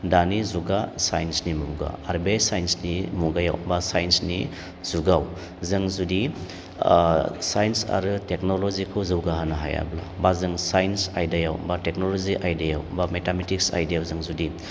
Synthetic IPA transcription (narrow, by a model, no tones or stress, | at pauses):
danizuɡasajnsnimṵɡa̰ːɾbejsajnsnimuɡaja̰wbasajnsni | z̥uɡaw | zɯŋzudi | sajnsa̰ɾɯteknolɔzikʰɯwzɯwɡaɦanaɦa̰ja̰bla̰bazɯŋsajnsajdajawbatek̚noloziʔajdajawbametametiksa̰jdijawzɯŋzudi